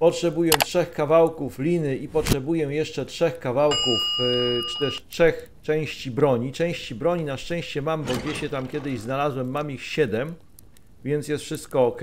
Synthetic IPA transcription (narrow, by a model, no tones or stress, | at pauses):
pɔtʂɛbujɛtʂɛxkavawkuflʲinɘʔipɔtʂɛbujɛjɛʂt͡ʂɛtʂɛxkavawkuft͡ʂɘ̥t̪ɛʂtʂɛx | t͡ʂɛ̃w̃ɕt͡ɕibɾɔɲit͡ʂɛ̃w̃ɕt͡ɕibɾɔɲinaʂt͡ʂɛ̃w̃ɕt͡ɕɛmambɔɡd͡ʑɛɕɛt̪amkʲɛd̪ɘʑznalazwɛmːamixɕɛd̪ɛm | vʲjɛnt̪sjɛst̪fʂɘst̪̚kɔːk